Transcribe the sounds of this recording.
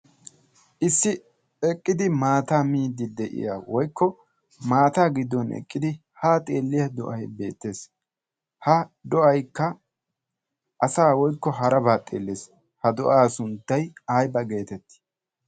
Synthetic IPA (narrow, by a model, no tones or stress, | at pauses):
ʔɪsːɪ | ɛkʼːɪd̪ɪmaːt̪aːmiːd̪ɪd̪ɛʔɪ̰ja̰wɔjkʰːɔ | maːt̪aːɡɪd̪ːɔnɛ̰kʼːɪd̪ɪ | haːt̪ʼe̞ːlːɪjɐd̪ɔʔɐjbe̞̰ːt̪ːe̞ːs | hɐd̪ɔʔɐjkːɐ | ʔɐsaːwɔjkːɔɦɐɾɐbaːt̪ʼe̞̰ːlːeːs | hɐd̪ɔʔaːsʊnd̪ɐjaːjbɐɡe̞ːt̪ɛt̪ːɪ̥